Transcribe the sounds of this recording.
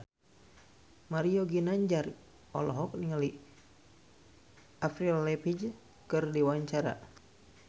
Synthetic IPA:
maɾiɔɡinaɲd͡ʒar | ɔ̰lɔɦɔk̚niŋali | afɾillɛpid͡ʒ | kɨrdiwaɲt͡ʃaɾa̰

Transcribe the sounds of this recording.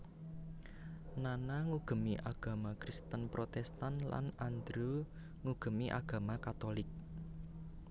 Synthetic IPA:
nanaŋuɡ̥ə̤miʔaɡ̥ä̤makɾist̪ənpɾot̪ɛst̪ənla̰nand̪ɾo | ŋuɡ̥ə̤miʔa̰ɡ̥a̤makat̪olɪk̚

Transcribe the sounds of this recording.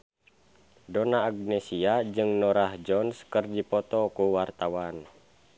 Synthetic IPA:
dɔnaːɡ̚nesiad͡ʒɨŋnɔɾahd͡ʒɔnskərdipɔt̪ɔkuwart̪awan

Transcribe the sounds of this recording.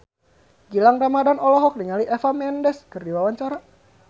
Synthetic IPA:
ɡilaŋramadanɔlɔɦɔk̚niŋaliʔɛfamɛndɛskɨrdiwawaɲt͡ʃaɾa

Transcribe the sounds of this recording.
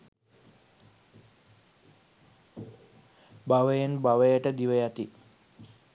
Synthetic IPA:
baʋəjənbaʋəjəʈəd̪iʋəjat̪i

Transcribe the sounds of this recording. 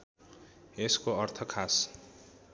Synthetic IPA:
eskoʌrt̪ʰʌkʰas

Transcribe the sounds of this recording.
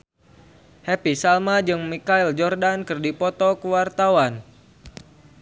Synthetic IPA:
hɛpisalmad͡ʒɨŋmikaild͡ʒɔrdankɨrdipɔt̪ɔkəwart̪awan

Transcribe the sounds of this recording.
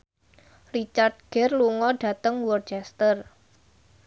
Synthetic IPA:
rit͡ʃart̪̚ɡ̥ɛrluŋɔɖ̥a̤t̪əŋwɔrt͡ʃɛst̪ər

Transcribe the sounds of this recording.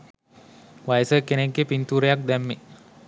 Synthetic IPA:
ʋajəsəkenekɡepint̪uːɾəjak̚d̪æmːe

